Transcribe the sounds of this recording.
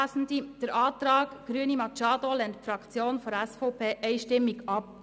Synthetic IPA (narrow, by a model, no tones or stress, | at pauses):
sn̩did̥əɾʔɑːt̪ɾɑːɡɡ̥ɾyənimɑt͡ʃɑːdolɛntfɾɑkt͡sjoːnfɔɾɛsfɔʊpʰeːʔɛɪʃtɪmːiɡɑp̚